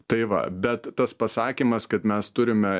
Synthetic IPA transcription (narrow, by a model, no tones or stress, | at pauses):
t̪ɐɪʋɐ̰bʲɛt̪tɐspɐsɑːkʲiːmɐskɐt̪mʲɛst̪ʊɾʲɪmʲɛ